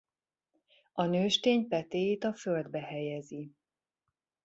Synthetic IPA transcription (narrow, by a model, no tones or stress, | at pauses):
ɒnøːʃt̪eːɲpɛt̪eːjeːt̪ɒføld̪bɛhɛjɛzi